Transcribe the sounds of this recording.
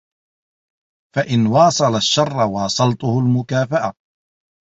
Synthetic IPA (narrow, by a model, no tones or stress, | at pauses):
faʔɪnwɑːsˤɑlaʃːɑrˤːɑwɑːsˤɑlt̪ʊhʊlmʊkaːfaʔa